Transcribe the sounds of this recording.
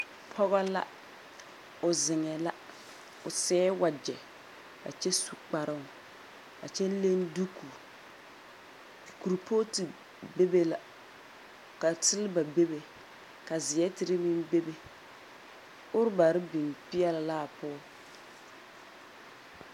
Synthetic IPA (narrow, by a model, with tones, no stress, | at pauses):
pʰɔ˦ɣa˦la̰˦ | ʊ˨zɪ˨ŋɛ˨la˦ | ʊ˨sɛː˦wa˨d͡ʒɛ˨ | ka̰˨t͡ʃɛ˦su˨k͡pa˨ɾɪ˦˨ | ka̰˨t͡ʃɛ˦le˦ndu˦k | ku˨ɾpʰoː˦ti˨ | be˦be˦la˨ | ka˨tɪ˦lba˨be˦be˨ | ka˨zɪ˨jɛ˦tɪ˦ɾɪ˦mi˦mbe˦be˨ | ʊ˦ɾba˨ɾɪ˦bi˨npɪ˦ɛ˦llaː˦˨pʊ˦ɔ˦